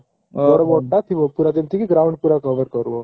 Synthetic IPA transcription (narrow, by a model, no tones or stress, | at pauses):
ɔɾəbɔʈːat̪ʰiʋəpuɾat̪emt̪ʰikiɡɾaũɳɖ̚puɾakəʋəɾkəɾuo